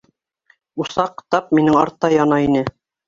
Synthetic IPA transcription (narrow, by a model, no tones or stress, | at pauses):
usɑqt̪ɑp̚minɘŋɑɾt̪ːɑjɑnɑinɘ